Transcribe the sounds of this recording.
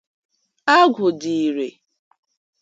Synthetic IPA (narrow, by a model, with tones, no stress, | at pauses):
a˦ɡʷʊ˨di˨i˨ɾe˨